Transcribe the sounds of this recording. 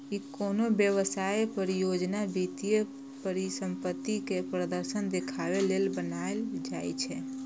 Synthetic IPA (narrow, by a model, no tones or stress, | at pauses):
ikonobjəʋəsajpəɾijod͡ʒnabit̪ije | pəɾisəmpət̪ːikepɾəd̪əɾsənd̪ekʰaʋelelbənaeld͡ʒajt͡ʃʰɛ